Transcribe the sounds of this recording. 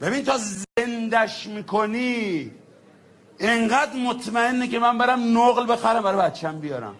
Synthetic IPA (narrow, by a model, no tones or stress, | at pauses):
b̥ebinit̪ʰɒːzend̪æʃmiːkʰoniː | eɴɢæd̪mot̪ʰmæenːekemæmbeɾæmnoɣlbe̞xæɾæmbæɾɒbæt̪t͡ʃʰæmbijɒːɾæ̰m